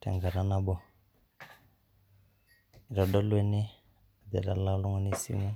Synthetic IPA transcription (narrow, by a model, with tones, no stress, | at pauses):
ta̰˨ŋɡa˨ɾa˨na˦bɔ˨ | ɾɔ˨ɗɔ˦lwɛ˦ni˦ | a˨d̪ɛ̰˨ɾa˨la˦lɔ˦ŋɔ˦ni˦sḭ˦mu˦